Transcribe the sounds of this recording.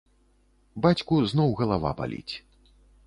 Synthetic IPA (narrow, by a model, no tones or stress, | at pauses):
bat͡sʲkuznɔwɣɐlˠava̰ba̰lʲḭt͡sʲ